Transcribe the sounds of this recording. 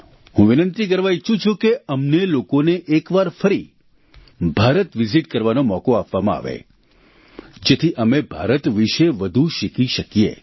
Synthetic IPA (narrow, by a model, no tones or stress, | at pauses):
hũʋɪnənt̪ikəɾʋait͡ʃʰũt͡ʃʰũkeəmnelokoneʔekʋaɾfəɾi | bʱaɾət̪ʋiziʈkəɾʋanomɔkoapʋamãa̰ʋḛ | d͡ʒet̪ʰiʔəmebʱaɾət̪ʋiʃeʋəd̪ʱuʃɪkiʃəkijḛ